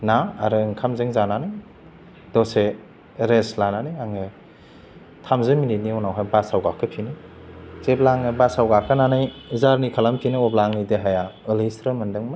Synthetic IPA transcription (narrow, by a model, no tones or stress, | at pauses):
na̰ːɾɯŋkʰamzeŋzananɯj | dɔse | ɾeslananɯjaŋɯ | tʰamzɯminit̚niɔnawɦajbasawɡakʰːɯpʰinɯ | zeblaŋɯbasawɡakʰananajzaɾnikʰalampʰinɯɔblaŋnideɦajaɯlijsɾɯmɯndɯŋma